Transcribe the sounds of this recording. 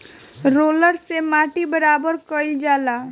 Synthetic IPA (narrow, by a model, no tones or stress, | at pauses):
ɾoːləɾsemaːʈibəɾaːbəɾkəid͡ʒaːlaː